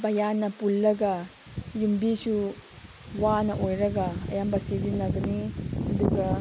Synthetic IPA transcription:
bɐjanːɐpulːɐɡɐ | jumbisu | wanɐʔojɾɐɡɐɐ̰jambɐsizinːɐɡɐnihɐduɡɐ

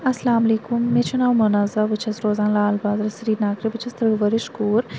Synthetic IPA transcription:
ɐslaːmɐliːkumːet͡ʃʰunawmɐnɐzɐbɨt͡ʃʰɐsɾoːzaːnlaːlbaːzɾɐsɐɾiːɾnaːkɾibɨt͡ʃʰɐst̪ɾɨɡʋɐɾiʃkuːɾ

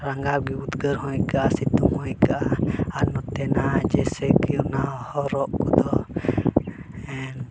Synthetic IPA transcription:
ɾaŋɡaɡiud̪ɡəɾhɔ̃jkaʔasit̪umhɔ̃kaʔaanɔt̪ɛnad͡ʒɛsɛkijɔnahɔɾɔʔkɔd̪ɔ | ɛn

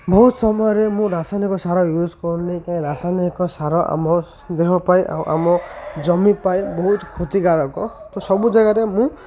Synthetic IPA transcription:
bɔɦut̪sɔmɔjɔɾemũɾasajnikɔsaɾɔjud͡ʒkɔɾnikaĩɾasanikɔsaɾɔʔa̰mɔ | d̪eɦɔpajʔa̰wʔa̰mɔd͡ʒɔmipajbɔɦut̪kʰot̪iɡaɽɔkɔt̪ɔsɔbud͡ʒaɡaɾemũ

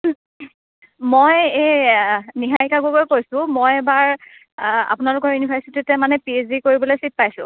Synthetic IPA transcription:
moje | niɦajkaɡukɔjkojsʊ̃mojɛbaɹ | a̰pʊnalʊkɔɹjunibʰʱaɹsititɛmanɛpiezikoɹibɔlojsip̚pajsʊ̰̃

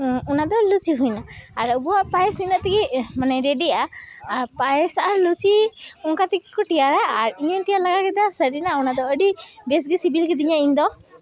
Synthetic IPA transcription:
unad̪ɔlut͡ʃiɦujnaːɾəbɔwaʔpajsiɲləʔt̪ɛkɛmanɛɾeɖijaːɾpajsaɾlut͡ʃiɔŋkat̪ɛkɛ̥kɔʈijaɾaːɾiɲənʈijalaɡakɛd̪asəɖinaunad̪ɔəɖibes̬ɡisibilkɛd̪iɲaiɲd̪ɔ

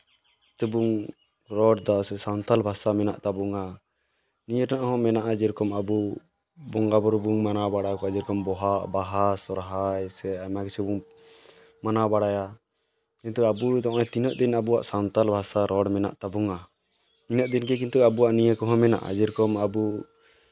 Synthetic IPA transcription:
t̪ubuŋ | ɾɔɖd̪ɔsɛsawnt̪albʱasamɛna̰ʔt̪abuŋa | nijəʈanaʔɦɔ̃mɛnaʔad͡ʒɛɾkɔmabu | bɔŋɡabɔɾubuŋmanabaɽajkɔad͡ʒɛɾkɔmbɔɦaʔbaɦasɔɾɦajsɛamakɛsɛbuŋ | manabaɽaja | kint̪uabud̪ɔʔat̪inəʔ̚d̪inabuwaʔsawnt̪albʱasaɾɔɖmɛna̰ʔt̪abuŋa | minəʔ̚d̪inkɛk̬int̪uabuwaʔnijəkɔɦɔ̃mɛna̰ʔa̰d͡ʒɛɾkɔmabu

